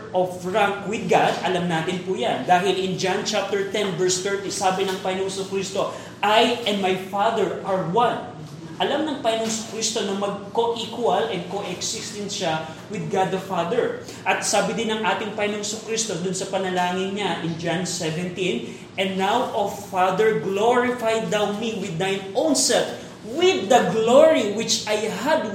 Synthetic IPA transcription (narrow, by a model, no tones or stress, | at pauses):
ʔofɹaŋkwɪd̪̚ɡad̪ʔɐlamnaːt̪ɪnpʊjand̪aːɦɪlʔɪnd͡ʒant͡ʃap̚t̪ɛɹt̪ɛnvɛɹst̪ɛɹt̪isaːbɪnɐŋpajnoŋsʊkɾist̪o̞ | ʔajɛnd̪majfad̪ɛɹʔɐɹwan | ʔɐlamnɐŋpajnoŋsʊ̥kɾist̪o̞nɐmɐɡ̚koʔikwɐlʔɛn̚koʔɛksɪst̪ɛnʃɐ | wɪd̪̚ɡad̪ɐfad̪ɛɹ | ʔɐt̪saːbɪd̪ɪnɐŋʔaːt̪ɪŋpɐjnoŋsʊkɾist̪od̪ʊnsɐpɐnɐlaːŋɪnɲaʔɪ̃nd͡ʒansɛvɛ̃nt̪ĩn | ʔɛ̃nd̪ːawʔofad̪ɛɹɡloɹɪfajd̪ːawmiwɪd̪̚ːajnʔownsɛlt̪̚ | wɪd̪ːɐɡloɹiwɪt͡ʃajɦad̪